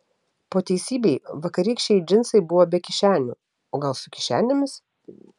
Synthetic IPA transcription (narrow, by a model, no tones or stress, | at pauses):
poːt̪ʲɛɪsʲiːbʲɛɪʋɐkɐɾʲiːkʃʲt͡ʃʲɛɪd͡ʒʲɪnsɐɪbʊʋoːbʲɛkʲɪʃʲæːnʲʊ̰ | oːɡɐlˠsʊkʲɪʃʲæ̰ːnʲɪmʲɪs